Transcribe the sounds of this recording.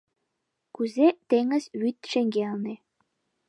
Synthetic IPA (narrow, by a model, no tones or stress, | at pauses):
kuzet̪eŋəzɥit̪ːʃeŋɡʲelne